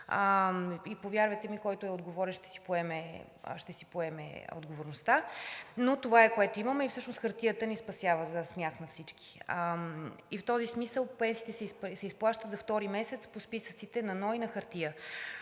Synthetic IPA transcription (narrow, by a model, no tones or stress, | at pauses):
əipovʲjaɾvəjt̪ɛmikɔjt̪oɛod̪ɡovɔɾʲɛʃt̪ɛ̥si̥poɛmɛ̰ | ʃt̪ɛsi̥poɛmɛ̰o̰d̪ɡovoɾnost̪anot̪ovaɛkoɛt̪oiməmɛifsɤʃnosxəɾt̪ijət̪ənispɐsʲjavəzəsmjaxnɐfsit͡ʃki̥ | ift̪ɔzismisəlˠpɛnsiːt̪ɛsɛsɛisplˠaʃt̪ət̪zɐft̪ɔɾimɛsɛt̪spospisət̪sit̪ɛnɐnɔjnɐxɐɾt̪ijə